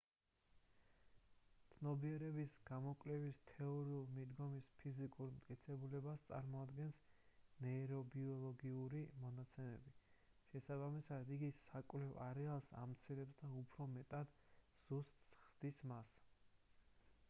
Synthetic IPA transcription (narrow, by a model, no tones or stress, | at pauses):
t̪sʰnɔbiɛɾɛbisɡ̥amɔkʼlɛbist̪ʰɛɔɾiulˠmid̪ɡɔmispʰizikʼuɾmt̪ʼkʼit̪sʰɛbulɛbast̪sʼa̰ɾmɔad̪ɡɛnsnɛɾɔbiɔlˠɔɡiuɾimɔnat̪sʰɛmɛbi | ʃɛsabamisad̪iɡisakʼwlɛvaɾɛalˠsa̰mt̪sʰiɾɛbsd̪aupʰɾɔmɛt̪ʼad̪ | z̥ust̪ʼsχd̪̥ismas